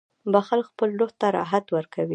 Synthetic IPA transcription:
baxalkxpəlːoht̪aɾɑ̰ɦat̪wəɾkʰawi

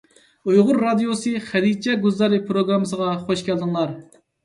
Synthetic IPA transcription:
ujʁʊɾːɑd̪ijosɨχɛd̪it͡ʃʰɛɡuzlɑɾɨpʰɾoɡɾɑmɨsəʁɑχoʃkʲɛld̪ɨŋlˠɑɾ

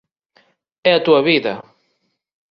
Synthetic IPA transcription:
ɛɐt̪uɐβiðɐ

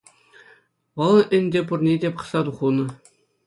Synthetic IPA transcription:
ʋɤ̆lˠɤ̆ʔɘ̆nʲdʲepurnʲedʲepɤ̥̆sɑt̪uχunɤ̆

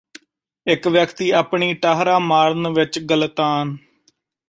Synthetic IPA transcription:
ɪkʋjəkt̪iːaːpɳiːʈaːɦɾaːmaːɾnʋɪt͡ʃɡəlt̪aːn

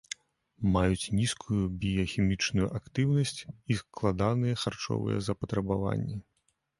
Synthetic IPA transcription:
majut͡sʲnʲiskʰujubʲijɔxʲimʲit͡ʂnujuʔakt̪ɨwnɐsʲt͡sʲisklˠad̪anɨjɐxart͡ʂɔ̰vɨ̰jɛ̰zɐpɐt̪ɾɐbava̰nʲːɛ

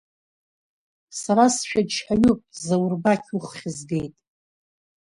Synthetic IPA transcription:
saɾasʃᶣadt͡ʃʰħaɥupʼzawrbakʲʰuχʷχʲɪzɡe̞jtʼ

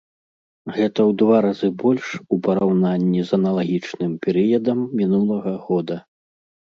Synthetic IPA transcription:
ɣɛt̪ɐwd̪vaɾazɨbɔlʲʂupɐɾawnanʲːizɐnɐlˠaɣʲit͡ʂnɨmpʲɛɾɨjɐd̪ɐmːʲinulˠɐɣɐɣɔd̪ɐ

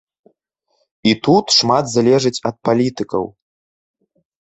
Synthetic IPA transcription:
it̪ut̪ʂmad̪zalʲɛʐɨt͡sʲɐt̪̚palʲit̪ɨkɐ̰w

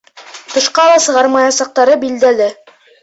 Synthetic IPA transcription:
t̪ɤ̆ʃqɑlˠɑsɤ̆ʁɑɾmɑjɑsɑq̚t̪ɑɾɤbild̪ælɘ

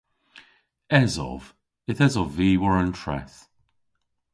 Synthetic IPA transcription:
ɛzɔ̰v | ɪθɛzɔviːwəɹəntʰɹɛ̰θ

